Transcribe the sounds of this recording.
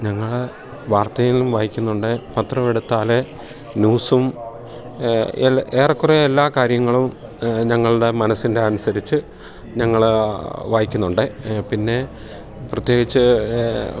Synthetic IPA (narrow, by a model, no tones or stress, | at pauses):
ɲɐŋːɐɭ | ʋaːrt̪ɐjilumʋaːjikʲːunːuɳɖɨpɐt̪rɐʋiɽut̪ːaːle | nuːsum | eeːrɐkːureelːaːkaːɾjɐŋːɐɭumɲɐŋːɐɭɽe̞mɐnɐsinde̞ɐnusɐɾit͡ɕːɨ | ɲɐŋːɐɭʋaːjikʲːunːuɳɖɨpinːe̞ | prɐt̪jo̞ːɡit͡ɕːɨ